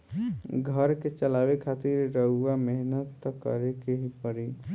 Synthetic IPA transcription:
ɡʱəɾket͡ʃəlaʋekʰat̪iɾɾəɦuameɦnət̪ːkə̰ɾekeɦipəɾi

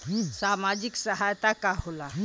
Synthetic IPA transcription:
samad͡ʑiksəɦajt̪akaɦola

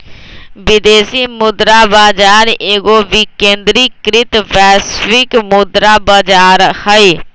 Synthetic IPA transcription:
ʋɪd̪eːsimʊd̪ɾaːbaːd͡ʒaːɾeːɡoʋɪkẽːnd̪ɾikɾɪt̪bɛːsʋɪkmʊd̪ɾabaːd͡ʒaːɾhəi

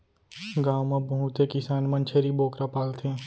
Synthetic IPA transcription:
ɡaːwmãbɐɦũt̪ekɪsaːnmɐ̃nt͡ʃʰeɾiboːkɾapaːlt̪ʰẽː

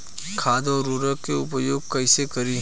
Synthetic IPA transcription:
kʰaːd̪ɔːɾːuɾəkːeʊpjoːɡ̚kɐɪsekɐɾiɦ

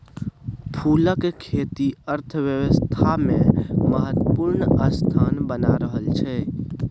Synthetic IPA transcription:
pʰuləkekʰet̪iəɾt̪ʰəʋjəwəst̪ʰameməɦət̪əpuɾnəst̪ʰanbənaɾəɦəlt͡ʃʰɛ

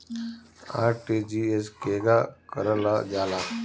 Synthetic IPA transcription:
a̰ːʈed͡ʒieskeːɡakəɾəlad͡ʒaːla

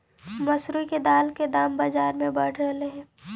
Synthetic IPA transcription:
mɐsɾuiked̪aːlked̪aːmbad͡ʒaːɾmẽbɐɽ̤ɾɐleɦɛ̃ː

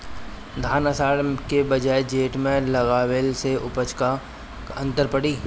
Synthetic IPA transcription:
d̪ʱaːnəsaːɽkebɐd͡ʒaːed͡ʒeːʈmẽlɐɣaːweːlseʔʊpət͡ʃka | ɐ̰̃nt̪əɾpəɽiː

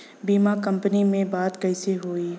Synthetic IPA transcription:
biːmakɐ̃mpənimẽbaːd̪kɐɪseɦoːiː

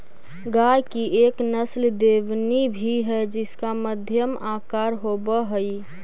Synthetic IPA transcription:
ɡajkiʔeknəsld̪eʋnibʱiɦɛd͡ʒɪskaməd̪ʱjəmakaɾɦobəɦəi

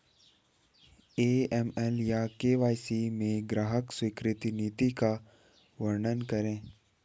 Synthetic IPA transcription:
eːɛmɛljakeːʋaːjsimẽɡɾaːɦəkswɪkɾɪt̪iniːt̪ika | ʋəɾɳənkɐɾẽː

